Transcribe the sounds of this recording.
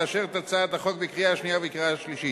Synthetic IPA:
aʃeʁt̪at͡saːt̪aχo̞k̚bekʁijaaʃnijavekʁiaʃliʃi

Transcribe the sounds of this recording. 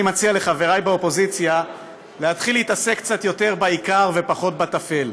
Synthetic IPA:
mat͡siale̞χaveʁajbeo̞po̞zit͡sja | lehat̪χileit̪asekːt͡sat̪jo̞te̞ʁbaikaʁve̞paχo̞t̪̚bat̪afe̞l

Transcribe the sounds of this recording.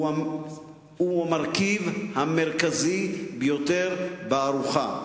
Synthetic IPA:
uhamaʁkivhameʁkazibejot̪eʁbeaʁuχa̰

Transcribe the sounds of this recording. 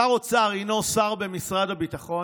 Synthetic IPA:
aʁot͡saːʁinosaʁbe̞misʁadabit̪aχo̞

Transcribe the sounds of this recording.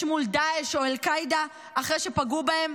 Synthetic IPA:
ʃmuld̪aeʃo̞elkajd̪a | ʔaχʁejʃe̞paɡubae̞m

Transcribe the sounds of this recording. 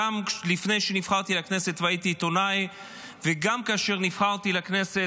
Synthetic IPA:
amlifne̞jʃenifχaʁt̪ilakne̞se̞t̪vait̪iːt̪o̞naj | veɡamkaːʃe̞ʁnifχaʁt̪ilakne̞se

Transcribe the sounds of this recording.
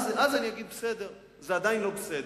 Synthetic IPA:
zazaniaɡid̪̚bəsed̪eʁ | zead̪ainlobəsed̪

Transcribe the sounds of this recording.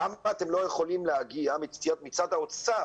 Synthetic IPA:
amːt̪e̞mlo̞jeχo̞limleaɡiamit͡st̪ijat̪̚mit͡sad̪haot͡sa

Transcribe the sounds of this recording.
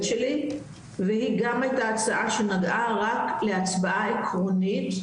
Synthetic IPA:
ʃeli | vehiɡamajtaːt͡saʔaʃenaɡʔaʁakʰleat͡sbaʔaekʰʁonit

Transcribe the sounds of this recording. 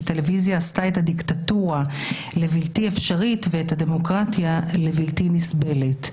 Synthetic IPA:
t̪e̞levizjaːstaethadiktatuʁa | le̞viltiefʃaʁitveethad̪e̞mo̞kʁatjale̞viltinisbe̞let

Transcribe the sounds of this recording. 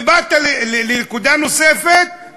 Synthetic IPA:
bat̪alllenkud̪anosefet̪̚

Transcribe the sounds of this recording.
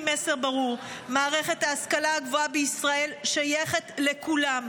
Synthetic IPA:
meseʁbaʁuʁmaːʁe̞χe̞t̪haːskalaaɡvoabeisʁae̞lʃajeχe̞t̪le̞kulam

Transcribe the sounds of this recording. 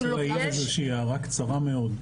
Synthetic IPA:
lajeazeʃiaʁakt͡saʁameo̞d

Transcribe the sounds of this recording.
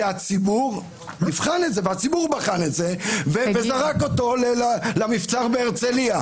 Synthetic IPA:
at͡sibuʁ | nivχanetze̞veat͡sibuʁbaχane̞tze̞vevezaʁako̞to̞lealamift͡saʁbeːʁt͡selia

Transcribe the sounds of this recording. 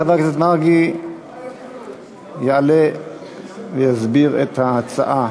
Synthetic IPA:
ad̪akset̪maɡi | jaʕale | vejazbiʁḛt̪hahat͡sa̰ʔa

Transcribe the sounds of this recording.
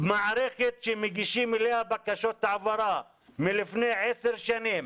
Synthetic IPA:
bemaʕɾeχet̪ʃemeɡiʃimelehabakaʃot̪ʕavaɾa | milifnejʕeseɾʃanim

